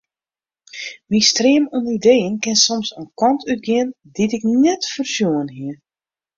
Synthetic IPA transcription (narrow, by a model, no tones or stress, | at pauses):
mistreːəmunidejənkɪnsɔmsənkɔntʰyt̚ɡɪən | ditɪknɛtfərsjuənɦiə